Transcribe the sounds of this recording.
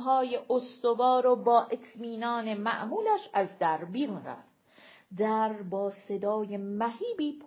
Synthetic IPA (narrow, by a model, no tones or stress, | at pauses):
ɦɒːjeʔost̪ovɒːɾobɒːʔe̞t̪ʰmiːnɒːne̞mæ̰ʔɦuːlæʃæzd̪æɾbiːɾunræ̰fd̪̥̚ | d̪æɾbɒːse̞d̪ɒːjemæɦiːbiːpʰ